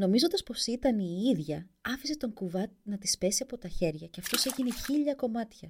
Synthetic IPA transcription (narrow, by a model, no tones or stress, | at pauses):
no̞mizond̪ɐspo̞sit̪ɐniiðʝɐɐfise̞t̪o̞ŋkuvɐt̪nɐt̪i̥spe̞siɐpo̞t̪ɐçe̞ɾʝɐceɐft̪o̞se̞ʝine̞çiʎɐko̞mɐt̪çɐ